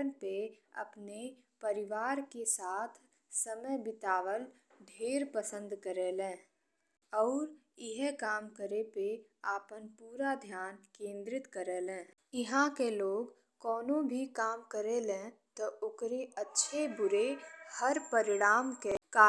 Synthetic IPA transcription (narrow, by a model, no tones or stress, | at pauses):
ənpeɐ̰pne | pəɾɪʋaːɾkesaːt̪ʰ | səməjbɪt̪aːʋəl | ɖʱeːɾpəsə̃nd̪kəɾeːlẽː | ɔːɾ | ɪɦɛkaːmkəɾepe | aːpənpuːɾad̪ʱjaːnkẽːnd̪ɾɪt̪kəɾeːlɛ̃ː | ɪɦãkeloːɡ | kɔːnõbʱikaːmkəɾelẽ | t̪oʊkɾeətːʃʰebʊɾehəɾpəɾɪɽ̃aːmkekaː